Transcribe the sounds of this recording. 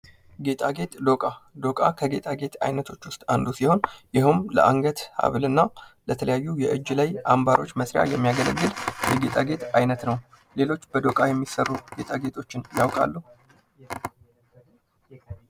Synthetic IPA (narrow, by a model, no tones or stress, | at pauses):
ɡe̞t̪ʼaɡe̞t̪ʼd̪o̞kʼad̪o̞kʼakʰəɡe̞t̪ʼaɡe̞t̪ʰa̰jnət̪ʰo̞t͡ʃːwʊst̪ʼand̪usiho̞njɪɦumlə̰aŋɡət̪ha̰βlɨnːalət̪ʰələjajːujɛʔɨd͡ʒːlajʔambaɾo̞̰t͡ʃːməsɾɪja̰jɛmːijaɡələɡːɨljɛɡe̞t̪ʼaɡe̞t̪ajnət̪nəw | le̞lo̞t͡ʃːbəd̪o̞kʼajɛmːisərːuɡe̞t̪ʼaɡe̞t̪ʰʼo̞t͡ʃːɪnjawkʼa̰lːuh